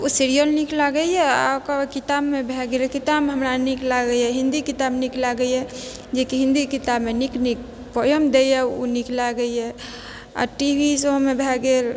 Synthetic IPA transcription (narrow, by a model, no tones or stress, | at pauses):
osiɾijəlniklaɡəiɛa̰kakit̪abmebʱɛɡelkit̪abɦəmɾaniklaɡəiɛɦɪ̃nd̪ikit̪abniklaɡəiɛ | d͡ʒekiɦɪ̃nd̪ikit̪abmeniknik | pəjəmd̪eiɛo̰niklaɡəiɛ | a̰ʈibʱisomẽbʱɛɡel